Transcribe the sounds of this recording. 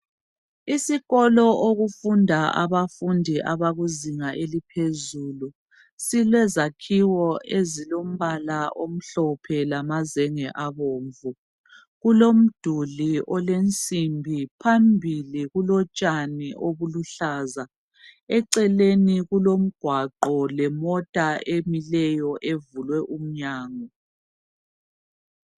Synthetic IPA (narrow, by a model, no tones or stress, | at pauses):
isiɣɔlɔʔoɣufundʱaa̰βafundʱiʔaβaɣuziŋaʔelipʰezulu | silwɛzakʰiwɔʔezilom̩βalaʔom̩ɬɔpʰɛlamazɛŋɛʔaβoːɱvu | ɣulom̩d̥ʱuliʔɔlent͡sʼimbʱipʰambʱiliɣulɔt͡ʃʼaniʔoβuluɬaːza | ɛǀɛleniɣulom̩ɡ̥ʱwaǃɔlɛmɔtʼaʔemilɛjɔʔevulwɛʔum̩ɲaːŋɔ